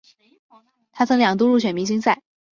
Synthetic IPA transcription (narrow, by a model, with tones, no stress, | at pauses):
t̪ʰa˥t͡sʰɤ˧˥ŋljɑ˨˩ŋt̪u˥ɻu˥˩ɕɥɛ˨˩nmi˧˥ɕ̬i˥ŋsa˥˩ɪ